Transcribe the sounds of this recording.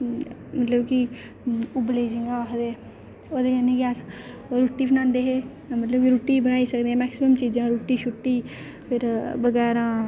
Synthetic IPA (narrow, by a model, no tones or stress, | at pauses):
mɐt̪ləbki | ʊbleːd͡ʒɪ̃ŋɡaːɦd̪eː | oːd̪eɡɛnẽɡɛːs | oɾuʈːipʰnãːnd̪eɦɛː | mət̪ləbkiɾuːʈːibənaːisəkd̪eɦɛ̃ːmɛːksɪməmt͡ʃiːd͡ʒẽɾuːʈːiʃʊʈːiː | pʰɪɾbəɡɛːɾãː